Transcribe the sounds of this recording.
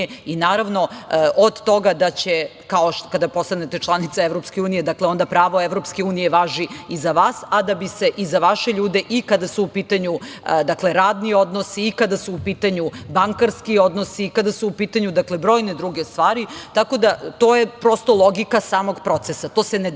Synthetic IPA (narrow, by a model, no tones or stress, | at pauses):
inaːɾaʋno̞ʔod̪t̪o̞ɡad̪at͡ɕe | kaokad̪apo̞st̪anet̪et͡ʃlˠanit̪saevɾo̞pskeuːnije̞d̪akleo̞nd̪apɾaːʋo̞eʋɾopske̞uːnije̞ʋaːʒiizaʋaːsad̪abise̞ʔizaʋaʃeʎuːd̪e̞ʔikad̪asuupit̪aɲud̪akle̞ɾaːd̪nio̞d̪nosiːkad̪asuupiːt̪aɲubaŋkaɾskio̞d̪nosiːkad̪asuupiːt̪aɲud̪akle̞bɾo̞jned̪ɾuɡest̪ʋaːɾit̪ako̞d̪at̪o̞jepɾo̞st̪o̞lˠo̞ɡikasaːmoɡpɾo̞t̪sesat̪o̞ːsene